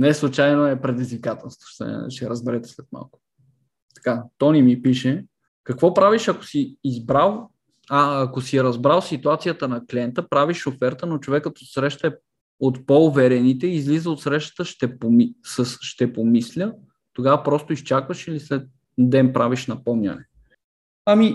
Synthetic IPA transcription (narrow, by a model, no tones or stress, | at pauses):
nɛslˠut͡ʃajnoɛpɾɛd̪izvikat̪ɛlˠst̪vo̥ʃt̪ɛ̰ʃt̪ɛɾəzbɛɾɛt̪ɛ̥slɛt̪ma̰lˠkʊ̥ | t̪ɐ̥kat̪ɔnimipiʃɛ | kɐkvɔpɾaviʃɐko̥siːzbɾalˠ | aːkosiɛɾɐzbɾalˠsit̪uat̪sijət̪ənɐkliɛnt̪əpɾaviʃofɛɾt̪ənot͡ʃovɛkːət̪osɾɛʃt̪əɛ | ot̪poʊvɛɾɛnit̪ɛizlizəot̪sɾɛʃt̪ə̥t̪əʃt̪ɛpomisəsʃt̪ɛpomislʲə | t̪oɡavəpɾɔst̪ʊist͡ʃakvəʃilislɛt̪̚ | d̪ɛnpɾʔaviʃnɐpɔmnʲɐ̰nɛ | ami